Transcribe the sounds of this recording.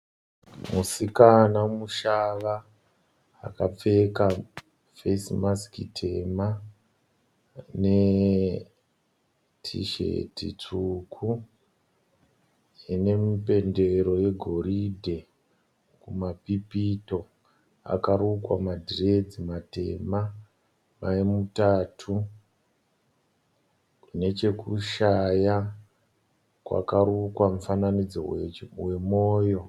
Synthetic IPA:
musikanamuʃaʋa̰ː | kap͡fe̞ka | fesimaskitʰe̞ma | ne | tʰḭʃḛtḭt͡ʂukʰu | ine̞mipe̞nde̞ɾo̞je̞ɡʱo̞ɾidʱe̞ | kumapipito̞ | a̰kaɾukwa̰madʱired͡zimate̞̰ma | maemutaːtʰu | kune̞t͡ʃe̞kuʃaja | kwa̰karukwamufananid͡zowe̞moːjo̞

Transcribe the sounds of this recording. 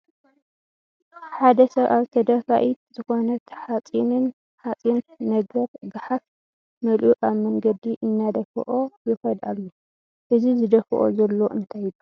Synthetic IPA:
ħad̪ɐsɐβʔaβt̪ʰɐd̪ɐfa̰ʔit̪̚zɨxo̞nɐt̪ʰħat͡sʼinɨn | ħat͡sʼinːɐɡɐɾɡaħaf | mɐlʔuʔaβmɐŋɡɐd̪iʔɨnːad̪ɐfɨ̰ʔojɨxɐd̪alːo | ʔɨzizɨd̪ɐfɨʔo̰zɐlːo̞ʔɨnt̪ʰajɪlu

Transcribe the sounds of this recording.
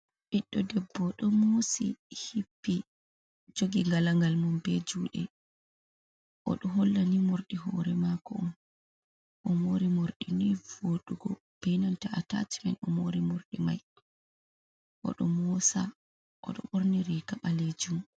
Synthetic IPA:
ʔiɗːɔdɛbːɔɗɔmosḭhipːi | d͡ʒoɡiŋɡalaŋɡalmɔmbɛd͡ʒuːɗɛ | ʔɔ̰ɗɔɦolːanimoɾɗiɦɔɾɛmakɔɔn | ʔɔmoɾimoɾɗinɔjvoɗuɡɔ | b̥ɛnantaata̰ti̥mɛnɔmoɾimoɾɗima̰j | ʔɔ̰ɗɔmɔsa | ʔɔ̰ɗɔ̰ɓoɾniɾikaɓaled͡ʒum

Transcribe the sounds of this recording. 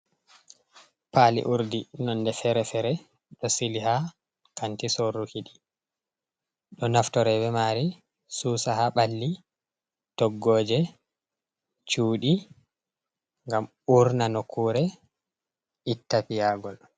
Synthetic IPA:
palḭʔuɾdinɔndɛfɛɾɛfɛɾɛ | ɗɔsiliha | kantisorukiɗi | ɗɔnaftɔɾɛbɛmaːɾi | suːsahaɓalːi | tɔɡːoːd͡ʒɛ | t͡ʃuːɗi | ŋɡam | uɾnanɔkʰuːɾɛ | itːapijaɡɔl

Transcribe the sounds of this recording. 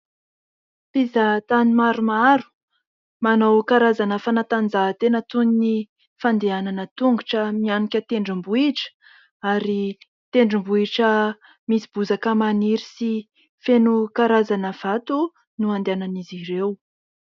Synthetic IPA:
pizat̪animaɾumaɾu̥ | manowkaɾazanəfanat̪and͡zaɦt̪enət̪unini | fand̪eananət̪uŋɡuʈ͡ʂəmianikʲət̪eɳɖ͡ʐimbuiʈ͡ʂə̥ | aɾi | t̪eɳɖ͡ʐimbuiʈ͡ʂə | misib̥uzakəmaniɾisi | fenukaɾazanəv̥at̪u | nuand̪eananiziɾew

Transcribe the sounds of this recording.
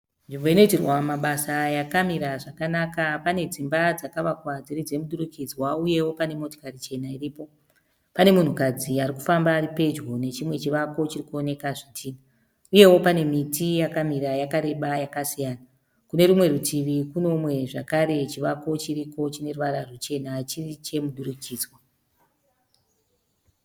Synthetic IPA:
nʐimbo̞ino̞itirwamaɓasajakamiɾaʐakanakapane̞d͡zimbad͡zakaʋakwad͡zirid͡ze̞muɗuɾukid͡zwauje̞wo̞pane̞mo̞to̥karit͡ʃe̞nairiːpo̞ | pane̞mun̤ukad͡ziaɾiku̥fambaːripe̞d͡ʒɡo̞ne̞t͡ʃimwe̞t͡ʃiʋako̞t͡ʃirikuone̞kaʐitʰiːna | uje̞wo̞pane̞mitijakamiɾajakaɾe̞ɓajakasijaːna | kune̞ɾumwe̞ɾutʰiʋikuno̞mwe̞ʐakaɾe̞t͡ʃiʋako̞t͡ʃiriko̞t͡ʃine̞ruʋaɾarut͡ʃe̞nat͡ʃirit͡ʃe̞muɗuɾukiːd͡zwa

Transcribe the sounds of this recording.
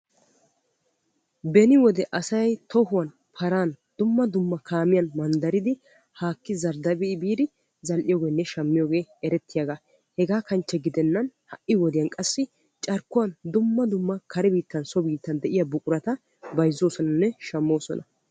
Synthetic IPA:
bɛnɪwɔd̪ɛʔɐsɐjt̪ɔhʊwɐn | pʰɐɾaːnd̪̥ʊmːɐd̪ʊmːɐkʰaːmɪjɐnmɐnd̪ɐɾɪd̪ɪ | haːkːɪzɐɾd̪ɐbɪɪbiːd̪ɪ | zɐlʔɪjoːɡeːnːɛʃɐmːɪjoːɡe̞ːɛɾɛt̪ːɪjaɡa | hɛɡaːkɐnt͡ʃːɛɡɪd̪ɛnːɐnhɐʔɪwɔd̪ɪjɐnkʼɐsːɪ | t͡ʃʼɐɾkːʊwɐnd̪ʊmːɐd̪ʊmːɐkʰɐɾɛbiːt̪ːɐnsɔbiːt̪ːɐnd̪ɛʔɪjɐbʊkʼʊɾɐt̪ɐ | bɐjzoːsɔnɐnːɛʃɐmːo̞ːsɔ̰nʔɐ

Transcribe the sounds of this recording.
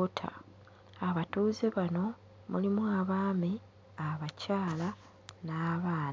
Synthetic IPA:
otʰa̰ː | βatuːzeβano̞ | mṵlimwaβaːmi | aβacaːla | naːβaːn

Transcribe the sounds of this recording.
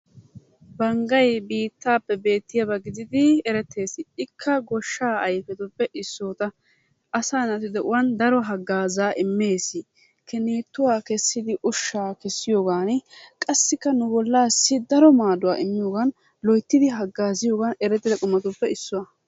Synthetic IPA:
bɐŋɡɐjbiːt̪ːaːpːɛbe̞ːt̪ːɪjɐbɐɡɪd̪ɪd̪ɪɛɾɛt̪ːe̞ːsɪɪkʰːɐɡɔʃːaːɐjfɛt̪ʊpːɛʔɪsːoːt̪ɐ | ʔɐsaːnɐt̪ɪd̪ɛʔʊwɐnd̪ɐɾɔɦɐɡːaːzaːʔɪmːe̞ːsɪ | kɛniːt̪ːʊwaːkɛsːɪd̪ɪʔʊʃːaːkɛsːɪjoːɡaːnɪkʼɐsːɪkːɐnʊbɔlːaːsːɪd̪ɐɾɔmaːd̪ʊwa̰ːʔɪmːɪjoːɡɐn | lɔjt̪ːɪd̪ɪɦɐɡːaːzɪjoːɡɐnɛɾɛt̪ːɪd̪ɐkʼʊmːɐt̪ʊpːɛɪsːʊwɐ

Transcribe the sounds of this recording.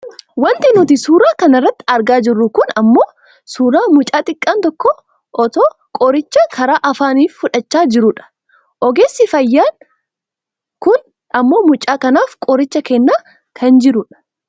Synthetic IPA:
wɐnt̪ʼɪnʊt̪ɪsuːɾaːkɐnɐrːɐt̪ːɪ̥ɐɾɡaːd͡ʒɪrːʊkʊnɐmːo̞ː | suːɾaːmʊt͡ʃʼaːt̪ʼɪkʼːaːnt̪ɔkːɔ | ʔɔt̪oː | kʼɔɾɪt͡ʃːɐkʰɐɾaːʔɐfaːniːffʊᶑɐt͡ʃːaːd͡ʒɪɾʊᶑɐ̥ | ʔɔɡeːsːɪfɐjːaːn | kʊn | ɐmːo̞ːmʊt͡ʃʼaːkɐnaːfkʼɔɾɪt͡ʃːɐkɛnːaː | kʰɐnd͡ʒɪɾʊᶑɐ̥

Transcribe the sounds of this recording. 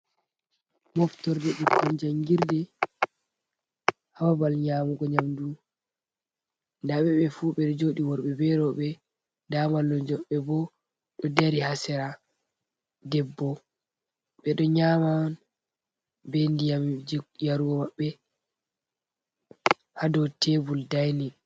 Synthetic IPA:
mɔftɔɾdɛɗukʰːɔnd͡ʒaŋɡiɾdɛ | hawabalɲamuɡɔɲamdu | ndaɓɛɓɛfuɓɛɗɔd͡ʒoɗiwɔɾɓɛbɛɾɔɓɛ | damalːɔd͡ʒɔɓɛbɔ | ɗɔdaɾihasɛɾa | dɛbːɔ | ɓɛɗɔɲaːman | bɛndiajaɾuɡɔmaɓːɛ | hadɔtʰebuldajni

